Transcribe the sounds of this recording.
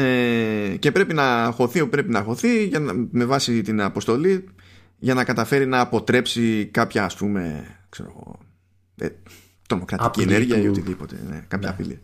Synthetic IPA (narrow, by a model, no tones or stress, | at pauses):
ece̞pɾe̞pinɐxo̞θiopɾe̞pinɐxo̞θiʝɐnɐme̞vɐsit̪inɐpo̞st̪o̞li | ʝɐnɐkɐt̪ɐfe̞ɾinɐːpo̞t̪ɾe̞psikɐpçɐːspume̞̰kse̞̰ɾo̞̰ɣo̞̰ | ḛ | t̪ɾo̞mo̞kɾɐtiieneɾʝiɐiot̪iðipo̞t̪e̞̰nḛkɐpçɐːpḭlḭ